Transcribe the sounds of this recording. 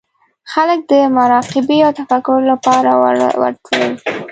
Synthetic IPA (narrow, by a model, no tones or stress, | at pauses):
xalək̚d̪əmaɾɑqɪbiawt̪afakʊɾlapɑɾawə̰ɾt̪ʰlḛw